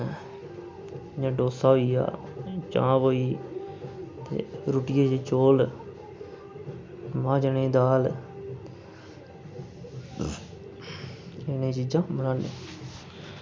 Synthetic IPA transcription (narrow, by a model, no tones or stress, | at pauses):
ɲãːɖoːsaːɦoia̰ːt͡ʃã̰ːboːiː | t̪ḛːɾuːʈɪjeːt͡ʃet͡ʃoːl | mãːd͡ʒənẽːd̪aːl | enẽːt͡ʃiːd͡ʒãːmənãːneː